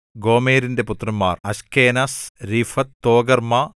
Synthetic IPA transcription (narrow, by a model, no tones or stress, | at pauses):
ɡo̞ːmeːɾinde̞put̪ːrɐmːa̰ːrɐskeːnasɾifɐt̪ːoːɡɐrma